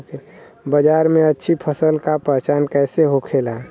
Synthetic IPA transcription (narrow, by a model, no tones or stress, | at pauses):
ke | bəd͡ʒaːɾmẽətːʃʰipʰəsəlkapəɦt͡ʃankɛːseɦokʰelã